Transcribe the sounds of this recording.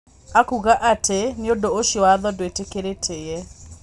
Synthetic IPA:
akuɣaʔatʰeneodooʃowaðɔdwetekeɾetʰejɛ

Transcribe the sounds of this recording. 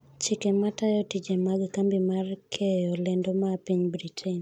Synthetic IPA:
t͡ʃɪkematajɔtid͡ʒemaɡkambimarkʰɛjɔlɛndomapiɲbɾitʰen

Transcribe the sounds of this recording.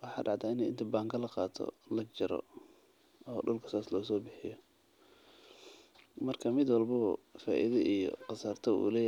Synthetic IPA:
wɑħɑ̰ːɖɑʕt̪ʰaːɪnɛjʔɪnt̪ʰɐbaːŋkʰɐlɐqɑːt̪ʰɔ̰lɐt͡ʃɪɾɔ̰ | ɔːɖʊlkʰɐ̥saːslɔːsɔːbɪħɪjɔ | mɐrkʰɐmɪd̪wɑlbɐɔfaːʔiðɐʔijɔ̰qɑsɐrt̪ʰɐṵːlɛːj

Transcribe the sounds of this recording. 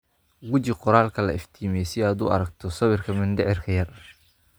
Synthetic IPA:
ɡʊt͡ʃɪqɔɾaːlkʰɐlɐɪft̪ʰiːmɛsɪaːd̪ʊ̰ːɐɾɐɡ̚t̪ʰɔsɐβɪrkʰɐmɪnd̪ɛʕɪrkʰɐjɐr

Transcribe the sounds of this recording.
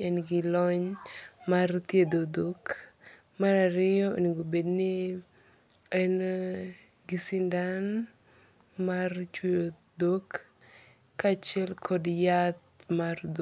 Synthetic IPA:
ɛnɡɪlɔɲmart̪jed̪od̪ok | maɾaɾɪjɔ̰niɡobednɪ | en | ɡɪsɪndan | mart͡ʃujo | d̪okː | at͡ʃɛlkʰɔdjat̪̚mard̪

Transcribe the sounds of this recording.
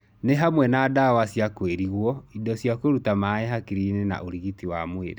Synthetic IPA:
neɦamwɛnaːdawasjakweɾiɣwɔidɔsjakoɾutamaɛɦakiɾinena̰ʔoɾiɣitiwamwḛɾe

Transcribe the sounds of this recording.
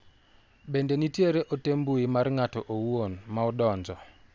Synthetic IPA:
bendenitjeɾeʔotembuimarŋatɔʔowonmaɔdɔnd͡ʒɔ

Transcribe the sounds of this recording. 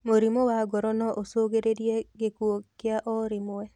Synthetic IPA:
moɾimowaɡɔɾɔnɔʔosoɡeɾedjeɡɪkwokɪaʔɔɾimʊwɛ

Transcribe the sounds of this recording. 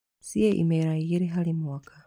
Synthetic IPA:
sijɛʔḭmeɾaɣiɾiɦalimwakʰa

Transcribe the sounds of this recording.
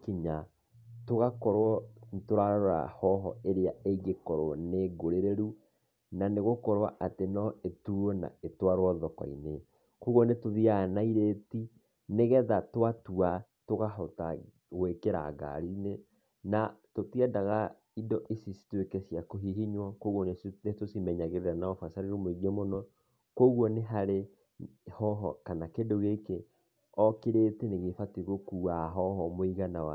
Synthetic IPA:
kiɲa | toɣakɔɾwɔtoɾaɾaoɾa̰hɔɦɔ̰eɾeaeɣekɔɾoneɡoɾeɾeɾu | naneɣokɔɾwa̰ʔatenɔetuona̰etwaɾwɔðɔkɔ̰ḭne | kuɣɔnetoðianaiɾeti | neɣɛðatwatua | toɣaɦɔta | ɣwekeɾa̰ɡa̰ɾine | natotiɛdaɣa | idɔʔesisi̥twekesjakoɦiɦiɲwakoɣwɔnenetosimɛɲaɣeɾeɾanaɔfasaɾeɾomoiɣemonɔ | koɣwɔneɦaɾe | hɔɦɔ̰kanakedoɣeke | ɔkeɾeteneɣefateɣokuːaɦɔɦɔmoiɣanawa

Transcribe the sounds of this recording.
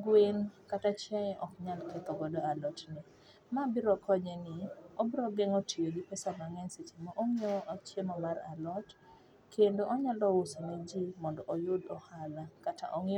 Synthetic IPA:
ɡwenkatat͡ʃjɛjɛʔɔkɲalkɛt̪ɔɡɔdɔalɔtnɪ | mabɪɾɔkʰɔɲɛnɪobɾɔɡɛŋotʰijoɡɪpɛsamaŋɛnset͡ʃimaʔoŋioʔat͡ʃemɔmaɾa̰lɔt | kʰendoʔɔɲalɔwosoned͡ʒimɔndɔʔojʊdɔhalakata̰ʔoŋi

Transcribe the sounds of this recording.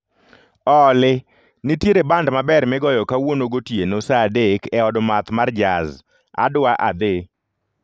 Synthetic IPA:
ɔlɪ | nitjeɾebandmabɛrmɪɡɔjɔkawonoɡotjenosadekɛɔdmat̪mard͡ʒaz | a̰dwaʔa̰d̪ɪ

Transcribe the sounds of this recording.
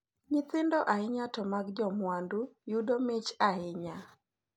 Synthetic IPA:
ɲɪt̪ɪndɔʔaɪɲatɔmaɡd͡ʒɔmwandujudomɪt͡ʃaɪɲa

